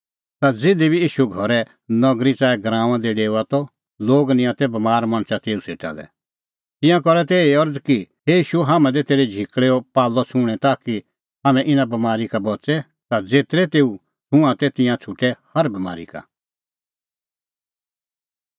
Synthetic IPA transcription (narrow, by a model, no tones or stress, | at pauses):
t̪ad͡zɪd̪ibʱiiːʃuɡʱɔɾɛ | nɔɡɾit͡saːɛɡɾãːʋ̃ãd̪eɖeːuat̪ɔ | loːɡnɪ̃ãt̪ɛbɐmaːɾmɐ̃ɳ̃t͡ʃat̪eːusḛːʈa̰ːlɛ̰ | t̪ɪ̃jãkɔɾɛt̪eːiɔɾd͡zkiɦeiːʃuɦaːmɛ̃d̪et̪eːɾed͡ʒʱikɭeːɔpaːlːɔt͡ʃʰũːɽ̃ɛt̪aːki | ɦaːmɛ̃ʔɪnãbɐmaːɾikabɔt͡sɛ | t̪ad͡zeːt̪ɾɛt̪eːu | hũãt̪ɛt̪ɪ̃jãt͡ʃʰʊʈɛhɐɾbɐma̰ːɾḭka̰